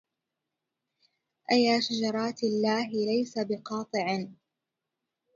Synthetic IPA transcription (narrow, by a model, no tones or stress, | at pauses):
ʔajːaːʃad͡ʒɑɾˤɑːt̪alːaːɦɪlajsabɪqɑːt̪ˤɨʕɪ